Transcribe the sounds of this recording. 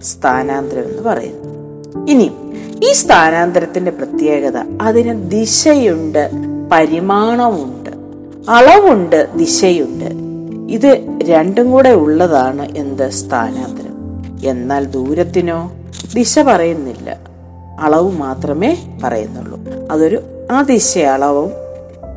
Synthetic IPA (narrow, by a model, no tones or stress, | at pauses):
st̪ʰaːnaːnd̪ɾɐme̞nːɨpɐrɐ̰jṵnːɐ | ini | iːst̪ʰaːnaːnd̪ɐɾɐt̪ːinde̞prɐt̪je̞ːɡɐðɐ̰ɐðinɨd̪iɕɐjuɳɖɨpɐɾimaːɳɐmuɳɖɨ̰ | ɐɭɐʋuɳɖɨd̪iɕɐjuɳɖɨ̰ | iðɨɾe̞ɳɖɨŋkuːɽeuɭːɐðaːɳɨʔe̞nd̪ɨst̪ʰa̰ːnaːnd̪ɐɾɐ̰me̞nːaːld̪uːɾɐt̪ːino̞ː | d̪iɕɐpɐrɐjunːilːɐ̰ | ɐɭɐʋumaːt̪rɐme̞ːpɐ̰rɐ̰junːṵɭːṵɐðo̞ɾuaːd̪iɕɐɐɭɐʋɐm